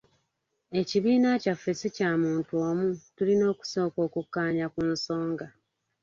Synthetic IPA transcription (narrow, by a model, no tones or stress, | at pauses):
e̞ciβiːnacafːe̞sicaːmuːntuomutulino̞ːku̥so̞ːko̞ːkukːaːɲakunso̞ːŋɡa